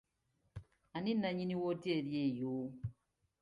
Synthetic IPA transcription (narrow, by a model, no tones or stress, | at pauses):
aninaɲiniwoteɾiejo